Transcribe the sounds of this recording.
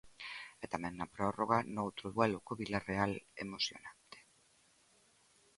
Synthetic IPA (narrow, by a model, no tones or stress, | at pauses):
ɛt̪amɛ̃ŋnɐpɾɔroɣ̞anowt̪ɾʊðwɛlʊkoβilarealḛmosjo̰nant̪e̥